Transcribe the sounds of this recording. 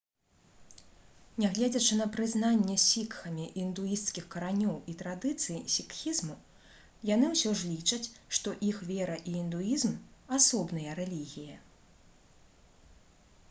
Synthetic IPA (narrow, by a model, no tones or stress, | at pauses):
nʲaɣlʲɛd͡zʲɐt͡ʂɨn̪ɐpɾɨznanʲːɛsʲikxɐmʲiʔind̪ujist̪skʲixkɐɾanʲɔwit̪ɾad̪ɨt̪sɨjsʲikxʲizmu | janɨwsʲɔʐlʲit͡ʂɐt͡sʲʂt̪ɔʔixvʲɛɾɐʔiːnd̪ujizmasɔbnɨjɐɾɛlʲiɣʲijɐ